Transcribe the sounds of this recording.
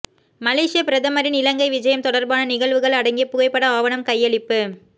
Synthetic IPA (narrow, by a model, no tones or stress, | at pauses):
mɐleːʂɪjɐpɪɾɐðɐmɐɾɪnɪlɐŋɡɐɪʋɪd͡ʒɐjɐmt̪ɔɽɐɾbaːnɐnɪɣɐɭʋɯɣɐɭɐɽɐŋɡijɐpʊɣɐɪpːɐɽɐaːʋɐɳɐmkɐjːɐɭɪpːɯ